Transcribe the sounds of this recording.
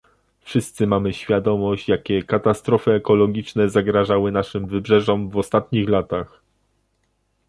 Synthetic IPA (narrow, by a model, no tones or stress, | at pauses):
fʂɘst̪sɘmamɘɕfʲjad̪ɔmɔɕt͡ɕjakʲɛkat̪ast̪ɾɔfɘɛkɔlɔɡʲit͡ʂnɛzaɡɾaʐawɘnaʂɘmvɘbʐɛʐɔmvɔst̪at̪ɲixlat̪ax